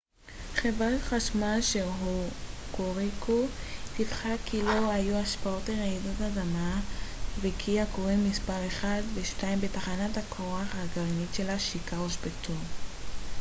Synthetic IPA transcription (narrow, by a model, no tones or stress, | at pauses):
χevʁaχaʃmaʃeɦukoʁikʰutifχakʰilo̞ajuaʃpaoteʁaidatadamavekʰiakoʁenmːispaʁeχadveʃtaimbetaχanatakʰoʁaχaɡaʁnitʃe̞laʃikaoʃbetʰun